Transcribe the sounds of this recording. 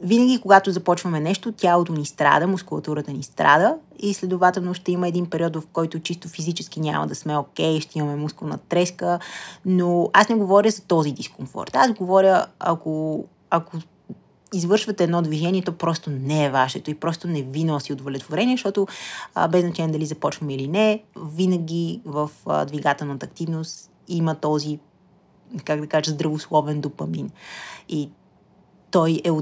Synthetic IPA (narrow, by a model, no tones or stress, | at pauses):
vinəɡʲikoɡat̪ozɐpɔt͡ʃvɐmɛnɛʃt̪ot̪ʲjalˠot̪onist̪ɾa̰d̪əmʊskʊlˠɐt̪uɾət̪ənist̪ɾa̰d̪əislɛd̪ʊvat̪ɛlˠnoʃt̪ɛiməɛd̪inpɛɾiɔt̪vɐfkɔjt̪ʊt͡ʃist̪ofizit͡ʃɛskinʲa̰mɐ̰d̪ɐsmɛokʲɛjʃt̪ɛimɐmɛmusknɐ̰t̪ɾɛskənoasnɛɡovɔɾʲəzɐt̪ɔzid̪iskoɱfɔ̰ɾt̪azɡovɔɾʲəɐko | ɐko | izvɤɾʃvɐt̪ɛːd̪nɔd̪viʒɛnʲiɛt̪ɔpɾɔst̪onɛːvaʃɛt̪ʊipɾɔst̪ʊnɛvinosiod̪volɛt̪voɾɛniɛʃt̪ɔt̪ʊ̰bɛznɐt͡ʃalʲɛd̪ɐlizɐpɔt͡ʃvəmilinɛvinəɡʲivəfd̪viɡat̪ɛlˠnət̪əːkt̪ivnʊst̪ | imət̪ɔzi | kakd̪ɐkaʒəzd̪ɾɐvoslˠɔvɛnd̪opɐmini | t̪ɔjɛ